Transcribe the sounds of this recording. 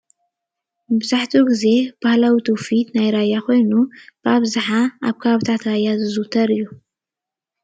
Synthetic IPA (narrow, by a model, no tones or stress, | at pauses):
bɨzaħt̪ʰuɡɨzeb̥ahlawt̪ʰofid̪najɾajaxʷojnub̥abzɨħaa̰bkʰaβt̪ʰat̪ɾajazɨzut̪ʰɐɾɨju